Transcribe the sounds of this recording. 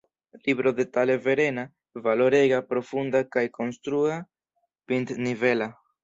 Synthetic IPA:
libɾo̞d̪e̞tale̞veɾe̞na | valo̞ɾeɡapɾo̞fund̪akajko̞nst̪ɾua | pint̪nive̞la

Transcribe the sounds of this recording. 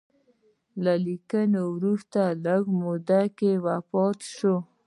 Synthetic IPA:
lalikənowɾust̪aləɡmod̪akewapɑt̪ʃo

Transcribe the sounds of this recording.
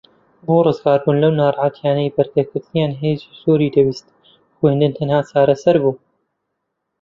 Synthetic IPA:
buːɾɨzɡaːɾbuːnlɐwnaːɾˤʕaːt̪ʰjaːnɐjbɐɾɡɐkɪɾt̪ijaːnɦeːzisuːɾiːd̪ɐbiːst̪ | kuhɪnd̪ɨnt̪ʰɐnhaːt͡saːɾɐsɐɾbuː

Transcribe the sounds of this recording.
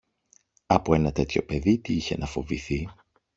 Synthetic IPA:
ɐpoe̞nɐt̪e̞t̪ço̞pe̞ðit̪iiçe̞̰nʔɐfo̞viθi

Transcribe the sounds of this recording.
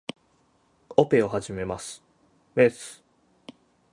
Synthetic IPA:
ope̞o̞haʑime̞masɨ̥ | mesɨ̥

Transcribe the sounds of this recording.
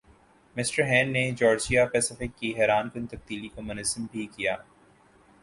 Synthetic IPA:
mɪsʈəɾɦɛ̃ːnːed͡ʒɔːɾsijapɛːsɪfɪkːiɦɛːɾaːnkɪnt̪ɐb̚d̪iːlikomʊnəzəmbʱikijaː

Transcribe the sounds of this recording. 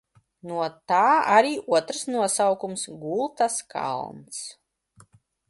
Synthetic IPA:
nuɔt̪aːaɾiːʔuɔt̪ɾsnuɔsawkumsɡulˠt̪askʰa̰lˠmt̪s

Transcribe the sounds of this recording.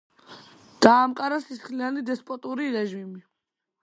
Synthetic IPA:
d̪̥aːmqʼaɾasisχlianid̪ɛspʼɔt̪ʼuɾiɾɛʒimi

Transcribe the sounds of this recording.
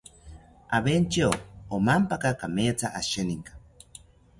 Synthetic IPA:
a̰βent͡ʃioomampakakameːt͡saʔaʃeniŋkḁ

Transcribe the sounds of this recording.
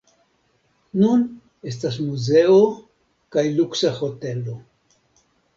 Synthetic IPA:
nun | e̞stas̬muze̞o | kajluksaho̞te̞lo

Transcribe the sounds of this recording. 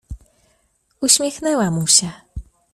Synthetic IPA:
uɕmʲjɛxnɛwamuɕɛ

